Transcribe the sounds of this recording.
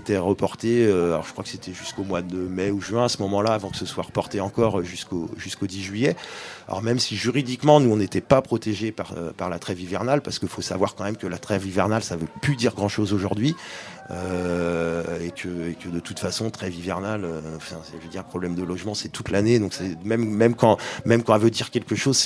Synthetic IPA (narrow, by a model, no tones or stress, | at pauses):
t̪ɛʁəpɔʁt̪eøalɔ̰ʁʒə̥kχwakə̥set̪ʰɛʒyskomwad̪əmɛuʒɥɛ̃asəmɔmɑ̃laːvɑ̃kə̥səswaʁəpɔʁt̪eɑ̃kɔʁøʒyskoʒyskod̪iʒɥijɛɔ̰ʁmɛmsiʒyʁid̪ikmɑ̃nuɔ̃net̪ɛpapχɔt̪eʒepaʁø̰paʁlat̪χɛvivɛʁnalpaʁsə̥kəifosavwaʁkɑ̃mɛmkəlat̪χɛvivɛʁnalsavøplyd̪iʁɡʁɑ̃ʃozoʒuʁd̪ɥi | ø | ekʲʰəekʲʰəd̪ət̪ut̪fasɔ̃t̪χɛvivɛʁnaløɑ̃fɛ̃sɛʒəd̪iʁpχɔblɛmd̪əlɔʒmɑ̃sɛt̪ut̪laned̪ɔ̃ksɛmɛmmɛmkɑ̃mɛmkɑ̃vød̪iʁkʲɛlkəʃoz